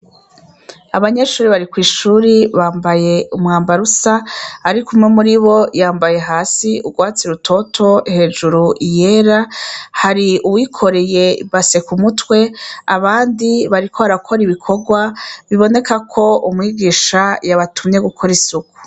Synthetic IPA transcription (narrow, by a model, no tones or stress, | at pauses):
aβaɲe̞ʃuːɾiβaɾikwiːʃuːɾiβaːmbaje̞umŋaːmbaɾusaːɾikumŋe̞muɾiβo̞jaːmbaje̞ɦaːsiʔuɡwaːt͡siɾutʰo̞tʰo̞ihe̞ːd͡ʒuɾuʔije̞ɾahaɾiuwiːkʰo̞ɾe̞je̞βase̞kumutwe̞aβaːndiβaɾikʰoaɾakʰo̞ɾiβikʰo̞ɡwaβiβo̞ne̞kakʰo̞umŋiːɡiːʃajaβatʰumɲe̞ɡukʰo̞ɾisuku̥